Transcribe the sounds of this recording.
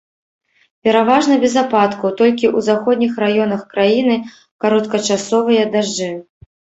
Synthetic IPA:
pʲɛɾavaʐnɐbʲɛzapat̪kɐwt̪ɔlʲkʲiʔuzaxɔd̪ʲnʲixrajɔnɐxkɾajinɨ | kaɾɔt̪kɐt͡ʂasɔvɨjɐd̪aʐd͡ʐɨ

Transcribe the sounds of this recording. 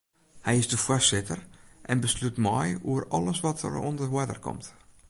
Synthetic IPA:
hɛjɪzdəfərsɪtərʔɛnbəslytmɔjuərɑləsʋɔtʰə̰rɔ̰ndərɦwədə̰rkɔ̰mt

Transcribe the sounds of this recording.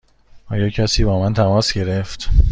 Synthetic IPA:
ʔɒːjɒːcʰæsiːbɒːmænt̪ʰæmɒːsɡe̞ɾeft̪

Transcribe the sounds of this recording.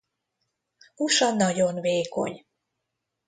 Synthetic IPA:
uʃɒnːɒɟonveːko̰ɲ

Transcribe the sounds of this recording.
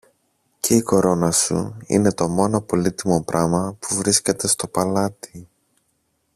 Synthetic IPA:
cʰe̞iko̞ɾo̞nɐsṵḭne̞t̪o̞mo̞no̞po̞lit̪imo̞pɾʔɐmɐpuvɾisce̞t̪e̞st̪o̞pɐlɐt̪i̥

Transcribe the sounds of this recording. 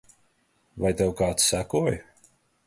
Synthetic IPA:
vajt̪ɛwkaːt̪ssækuɔj

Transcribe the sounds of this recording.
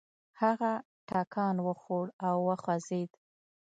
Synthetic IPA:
haɣa | ʈɑkʰɑnwəxoɽawːəxwazed̪

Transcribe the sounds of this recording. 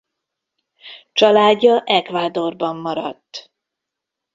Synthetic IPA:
t͡ʃɒlaːɟːɒʔɛkvaːd̪o̞rbɒmːɒɾɒt̪ː

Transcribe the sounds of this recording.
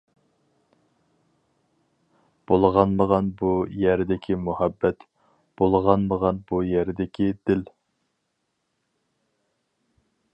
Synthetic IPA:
b̥olˠʁɑnməʁɑnbujɛɾd̪ɪkʲʰimuhæbːɛt̪ | b̥olˠʁɑnməʁɑnbujæɾd̪ɪkʲʰid̪ɪl

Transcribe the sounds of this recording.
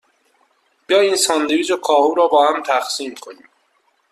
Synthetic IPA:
b̥ijɒːjiːnsɒːnd̪iɾiːd͡ʒokʰɒːhuːɾɒːbɒːhæmt̪ʰæxsiːmkʰoniːm

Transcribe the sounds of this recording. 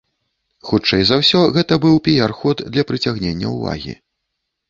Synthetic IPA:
xut͡ʂɛjzawsʲɔɣɛt̪ɐbɨwpʲijarxɔd̪d̪lʲɐpɾɨt͡sʲaɣnʲenʲːɐ̰uva̰ɣʲḭ

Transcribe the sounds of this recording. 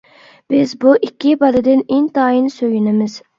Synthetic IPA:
b̥ɪzbuʔikʲːibɑɾɨd̪ɪnent̪ɑːjinsøjynɪmɪz̥

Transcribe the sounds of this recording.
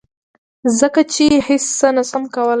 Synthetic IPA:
zəkat͡ʃehɪsːənasamkawəl

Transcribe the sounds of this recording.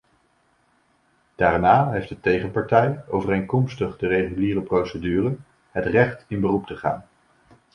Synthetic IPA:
d̥aːɹnaːɦejfdətejχəpɑɹtɛjowvərejnkɔmstəχdərejχyliːrəprowsədyːrə | ɦətrɛχtɪnbərup̚təχa̰ːn

